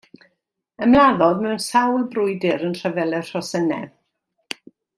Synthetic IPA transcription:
əmlˠaðɔðmɛwnsawlˠbrʊjdɪɾənr̥əvɛlˠɛr̥ɔsənɛ̰

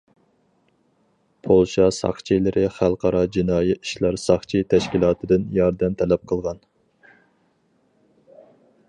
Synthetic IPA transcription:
pʰolˠʃɑsɑ̰χt͡ʃʰijlɪɾɪχælˠqʰɑɾɑd͡ʒinɑːjiiʃlˠɑɾsɑχt͡ʃʰit̪ʰɛʃkʲilˠɑːt̪ʰɨd̪ɨnjɑɾd̪ɛmt̪ʰɛlɛp̚qʰəlˠʁɑn

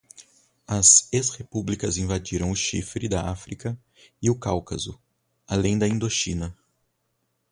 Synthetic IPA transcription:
ɐzeshepublikɐzĩvad͡ʒiɾɐ̃w̃ʊʃifɾɪd̪ɐafɾikɐ | ɪʊkawkɐzʊ | alẽj̃d̪ɐĩnd̪oʃĩnɐ

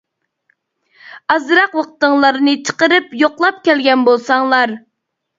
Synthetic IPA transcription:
ɑzɾɑqwɑqʰət̪əŋlˠɑɾnɨt͡ʃʰə̥qəɾɨpjoqlˠɑp̚kʲɛlɡʲɛnbolˠsɑŋlˠɑɾ

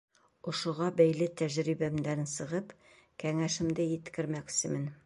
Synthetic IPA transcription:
ŏʃŏʁɑbæjlɘt̪æʑɾibæmd̪æɾɘnsɤ̆ʁɤp | kæŋæʃɘ̆md̪ɘjɘ̆t̪kɘ̆ɾmæksɘmɘn

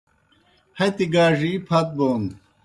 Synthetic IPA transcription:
hɐt̪iɡaːʐipʰɐt̪̚boːn

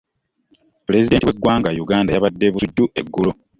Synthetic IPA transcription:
pule̞zide̞ːntiwe̞ɡwaːŋɡajuɡaːndajaβadːe̞βusudːuʔe̞ɡːulo

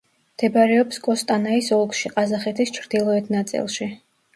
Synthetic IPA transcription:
md̪̥ɛbaɾɛɔpskʼɔst̪ʼanaisɔlˠkʼʃiqʼazaχɛt̪ʰist͡ʃʰɾd̪̥ilˠɔɛt̪ʰnat̪sʼḭlˠʃi

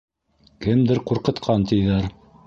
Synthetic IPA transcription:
kɘmd̪ɘɾquɾqɤ̆t̪qʰɑnt̪ʰɘ̆jðæɾ

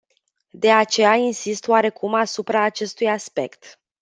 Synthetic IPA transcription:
d̪e̞at͡ʃe̞jainsist̪oaɾe̞kʰumasupɾaːt͡ʃe̞st̪ujaspe̞̰kt̪

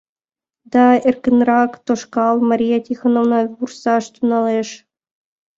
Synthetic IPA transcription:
d̪ɑerkʲɘ̆nrɑkt̪oʃkɑlˠmɑɾʲijɑt̪ʲixonoʋnɑbursɑʃt̪unɑleʃ

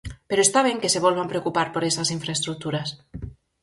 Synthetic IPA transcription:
peɾoest̪aβ̞eŋkeseβ̞ɔlβampɾeokupaɾpoɾesasiɱfɾaest̪ɾuk̚t̪uɾas

